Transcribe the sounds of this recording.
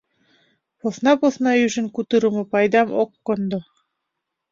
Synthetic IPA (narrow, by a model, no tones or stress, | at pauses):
pŏθnɑpoθnɑjʉʃɘ̆ŋkut̪ɤ̆ɾŭmɤ̆pɑjd̪ɑmoqːŏnd̪o